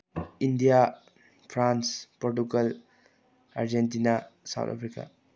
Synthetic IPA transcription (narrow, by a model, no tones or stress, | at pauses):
indija | pʰɾanspoɾt̬ukel | a̰ɾd͡ʒentinasa̰w̰tʰa̰pʰɾika̰